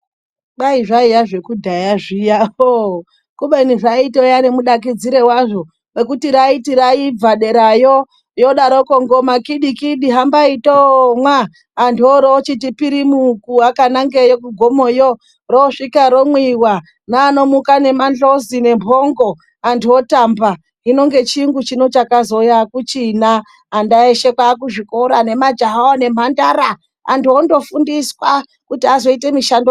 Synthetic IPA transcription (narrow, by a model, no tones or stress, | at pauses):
ɓaiʐaijaʐe̞kudʱajaʐijao | kuɓeniʐaitojanemuɗak̬id͡ziɾe̞waʐo | rekutiɾaitiɾaib͡vaɗe̞ɾajo | joɗaɾokoŋɡomakiɗikiɗiɦambaitomwaː | ntoɾot͡ʃit̬ipiɾimukuakanaŋɡejokuɡʱomojo | roʂikaɾomwiwa | naːno̞mukane̞manɮo̞zine̞mpʰoŋɡo̞ | antuotamba | ino̞ŋɡe̞t͡ʃiŋɡut͡ʃino̞t͡ʃakazo̞jakut͡ʃinaː | ndaeʃe̞kwakuʐikoɾane̞mad͡ʒaɦaone̞m̤andaɾa | a̰ntuondo̞fundiswa | kutiazo̞ite̞miʃando